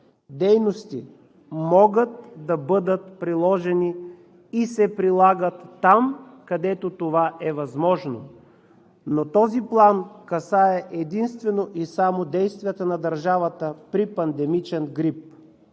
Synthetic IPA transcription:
d̪ɛjnost̪i | mɔɡət̪̚d̪ɐbɤd̪ət̪pɾilˠɔʒɛniː | sɛpɾilˠaɡət̪ːamkɐd̪ɛt̪ot̪ovaʔɛvɐzmɔʒno | not̪ɔziplˠankɐsaɛʔɛd̪inst̪vɛnoʔisamod̪ɛjst̪vʲijət̪ənɐd̪ɐɾʒavət̪əpɾipɐnd̪ɛmit͡ʃɛnɡɾip̚

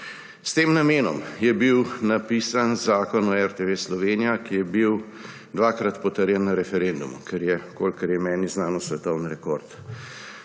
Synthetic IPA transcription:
st̪eːmnameːnɔmjɛbiwnapiːsanzaːkɔnɔɛɾt̪eʋeːslɔʋeːnijakijɛbiw | d̪ʋaːkɾat̪pɔt̪əɾjɛnːaɾɛfɛɾend̪umukɛɾjɛkolkəɾjɛmɛːniznaːnɔsʋɛt̪ɔwnɾɛkoːɾt̪

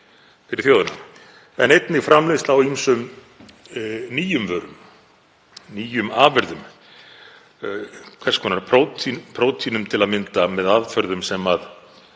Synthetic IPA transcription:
fɪɾɪɾ̥θjoːwðʏna̰ | ɛ̰nejt̪nɪfɾamlest̪lawimsʏm | niːjʏmvœːɾʏm | niːjʏmaːvɛɾðʏm | kʰvɛskʰɔnaɾpʰɾowt̪pʰɾowt̪ʰinʏmt̪ʰɪlaðmɪnt̪amɛðaðfœɾðʏmsɛmað

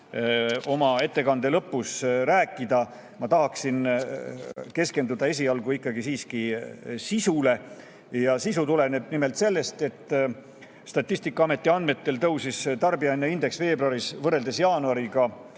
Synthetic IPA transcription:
o̞mɑe̞t̪ːe̞kɑnd̪e̞lɤpːusɾæːkːˑid̪̥ɑ | mɑt̪ɑɦɑksin | ke̞ske̞nd̪ud̪̥ɑe̞s̬ʲiɑlɡ̥uikˑːɑɡisiːskisisule̞ | jɑsisut̪ule̞neb̥̚nime̞lt̪se̞lːe̞st̪e̞t̪ˑː | st̪ɑt̪ʲːˑisʲt̪ikːˑɑɑme̞t̪ˑːiɑnd̪me̞t̪ːe̞lt̪ɤwsist̪ɑrbiɑjnːeind̪e̞ksve̞ːbruɑɾisvɤre̞ld̪esjɑːnuɑɾiɡ̥ɑ

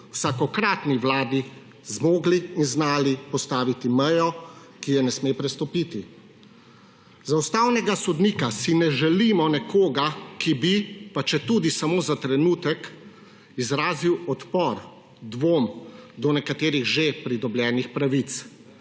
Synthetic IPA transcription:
wsakɔkɾaːt̪niʋlaːd̪i | zmoːɡliːnznaːlipɔst̪aːʋit̪imɛjɔ | kijɛnɛsmeːpɾɛst̪ɔpiːt̪i | zawst̪aːwnɛɡasɔd̪niːkasinɛʒɛlimɔnɛkʰoːɡakibipat͡ʃɛt̪uːd̪isamoːzat̪ɾɛnuːt̪ɛk | izɾaːziwɔt̪pɔɾ | d̪ʋoːmd̪ɔnɛkat̪eːɾiɣʒepɾid̪ɔbljɛːnixpɾaʋit̪s

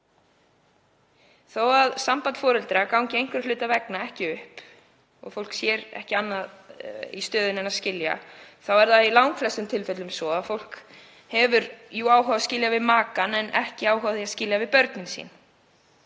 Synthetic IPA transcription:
θowaðsampant̪fɔːɾɛlt̪ɾakawɲcɪejŋkvɛɾ̥lʏːt̪avɛknaɛhcɪʏhp | ɔ̰ɣfowl̥ksjɛɾɛ̰hcɪanːaðḭst̪œːðʏnɛnaðscɪlja̰θawɛɾðailawŋkflɛst̪ʏmt̪ʰɪlfɛt̪lʏmsɔaðfowl̥k | hɛvʏɾjuaːwɦawascɪljavɪðmaːkanɛnɛ̰hcɪaːwɦavθiascɪljavɪðpœɾt̪nɪnsḭːn

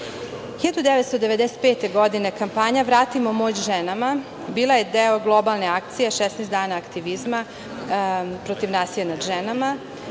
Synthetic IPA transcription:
xiʎad̪ud̪eʋet̪st̪od̪e̞ʋed̪ɛset̪̚peːt̪e̞ɡo̞d̪ine̞kampaːɲaʋɾaːt̪imomo̞t͡ɕʒenama | biːlˠajed̪eoɡlˠo̞balˠneak̚t̪sijeʃɛsnesd̪aːnaːkt̪iʋizma | pɾot̪iʋnaːsijanad̪ʒenama

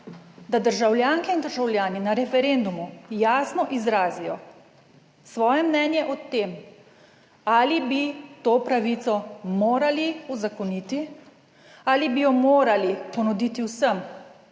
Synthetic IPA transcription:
d̪ad̪əɾʒawljaːŋkɛind̪əɾʒawlʲjaːninaɾɛfɛɾend̪umujaːsnɔʔizɾaːzijɔ | sʋɔːjɛmnɛnjɛʔɔt̪eːm | aːlibit̪oːpɾaʋit̪sɔmoːɾaliuzakɔnit̪i | aːlibijɔmoːɾalipɔnud̪it̪iwsəm

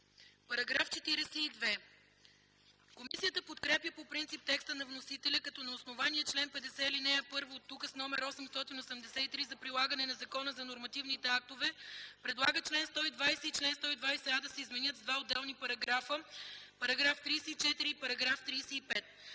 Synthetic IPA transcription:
pɐɾɐɡɾaft͡ʃɛt̪iɾɛsɛid̪vɛ | komisijət̪əpot̪kɾɛpjəpopɾint̪sip̚t̪ɛkst̪ənɐvnosit̪ɛlʲəkɐt̪ɔnɐosnovaniət͡ʃlɛnpɛd̪ɛsɛlinɛɐpɤɾvoːt̪ːukəsnɔmɛɾɔsɛmst̪ɔt̪inosɛmd̪ɛsɛt̪it̪ɾizɐpɾilˠaɡɐnɛnɐzɐkɔnəzɐnoɾmɐt̪ivnit̪ɛak̚t̪ovɛpɾɛd̪lˠaɡət͡ʃlɛnst̪ɔid̪vajsɛit͡ʃlɛnst̪ɔid̪vajsɛad̪ɐsɛizmɛnjət̪zd̪vaod̪ːɛlˠnipɐɾɐɡɾafəpɐɾɐɡɾaft̪ɾisɛit͡ʃɛt̪iɾipɐɾɐɡɾaft̪ɾiːsɛipɛt̪̚

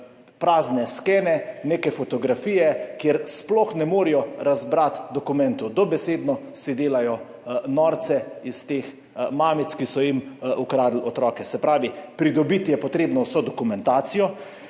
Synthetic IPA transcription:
pɾaːznɛskeːnɛneːkɛfɔt̪ɔɡɾafiːjɛkjeɾsplɔxnɛmoːɾijɔɾazbɾat̪d̪ɔkumɛnt̪ud̪ɔbɛseːd̪nɔsid̪eːlajɔ | nɔːɾt̪sɛist̪eːx | maːmit̪skisɔjimukɾaːd̪l̩ɔt̪ɾɔːkɛsɛpɾaːʋipɾid̪ɔbit̪jɛpɔt̪ɾeːbnɔwsod̪ɔkumɛnt̪aːt̪sijɔ

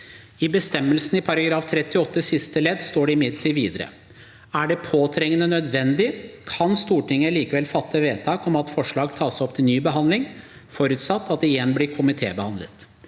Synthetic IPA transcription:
ɪbəst̪ɛmːəlsn̩ɪpʰɑɾɑɡɾɑːft̪ʰɾɛt̪ːɪɔt̪ːəsɪst̪əlɛd̪st̪oːɖɛɪmɪd̪l̩t̪ɪʋiːd̪əɾə̰ | æɖɛpʰoːt̪ʰɾɛŋənənœd̪ʋɛnd̪ɪkʰɑnst̪uːʈɪŋːəliːkəʋɛlfɑt̪ːəʋeːt̪ʰɑːkɔmɑt̪fɔʂɭɑːɡt̪ʰɑːsɔp̚t̪ʰɪlnyːbəɦɑnd̪lɪŋ | fɔɾʉt̪sɑt̪ːɑt̪̚d̪ɛɪjɛnːblɪɾkʰʊmɪt̪ʰḛːbəhɑnlə̰t̪

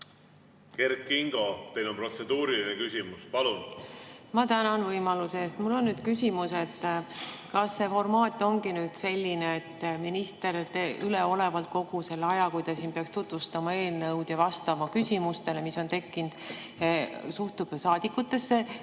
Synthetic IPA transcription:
ke̞rkːiŋɡ̥o̞t̪e̞jnonpro̞t̪se̞d̪uːɾilinekysʲimuspɑlunmɑt̪ænɑnvɤjmɑluseːst̪mulːo̞nːyːd̪̥kysʲimuse̞t̪ː | kɑsːe̞fo̞rmɑːt̪ːˑo̞ŋɡinyːd̪̥se̞lʲːineet̪ːminist̪e̞ɾt̪eyle̞o̞levɑlt̪̚ko̞ɡ̥use̞lːɑjɑkujt̪ɑsiːnpeɑkst̪ut̪vust̪ɑmɑe̞ːlnɤwd̪̥jɑvɑst̪ɑmɑkysʲimust̪e̞le̞miso̞nt̪e̞kːind̪̥ | suht̪ub̥sɑːd̪̥ikːut̪ːe̞sːe̞

